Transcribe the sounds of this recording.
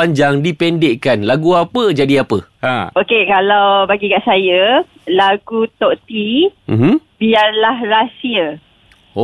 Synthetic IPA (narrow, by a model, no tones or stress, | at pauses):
aɲd͡ʒaŋdipɛndeʔkanlaɡuapəd͡ʒadiapəa̰okekalawbaɡikaʔsajə | laɡut̪ɔʔt̪im̩mm̩biarlahrasiə | o